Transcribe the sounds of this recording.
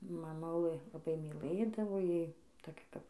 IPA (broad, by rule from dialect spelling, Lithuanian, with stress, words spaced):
mɐˈmʊlˠɘ lˠɐˈbɐɪ mʲiːˈlˠɘdɐʋoː ˈjɛɪ toːˈkʲɛ kɐp